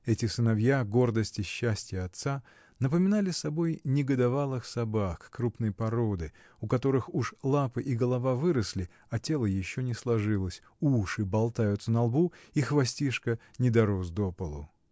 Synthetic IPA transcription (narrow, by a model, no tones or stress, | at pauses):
ɛtʲɪsɨnɐvjaɡo̞rd̪əsʲtʲɪɕːæsʲtʲjəɐt̪sa | nəpəmʲɪnalʲɪsɐbo̞jnʲɪɡəd̪ɐvalˠɨxsɐbakkɾupnɨjpɐɾo̞d̪ɨ | ʊkɐt̪o̞ɾɨxuʂlˠapɨʔiɡəlˠɐvavɨɾəsʲlʲɪ | ɐtʲe̞lˠəjɪɕːonʲɪslˠɐʐɨlˠəsʲ | uʂɨbɐlˠt̪ajʊt̪sənɐlˠbuixvɐsʲtʲiʂkənʲɪd̪ɐɾozd̪o̞pəlˠʊ